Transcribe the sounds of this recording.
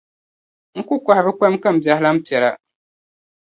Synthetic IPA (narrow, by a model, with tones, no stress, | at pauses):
ŋ̩˦ku˦kʷa˨hɪ˨βɨ˦ka˦m˦ka˦m̩˨bja˨hɪ˦la˦m̩˦pi˨ɛ˨la˨